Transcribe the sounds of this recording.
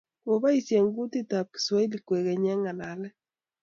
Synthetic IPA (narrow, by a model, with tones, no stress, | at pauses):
ko˨βa˦i˨sje˨ŋɡu˦ti˦ta˨p̚ki̥˨swa˦i˦li˨kːwe˨kɛ˨ɲɛ˦ŋa˨la˨lɛ˦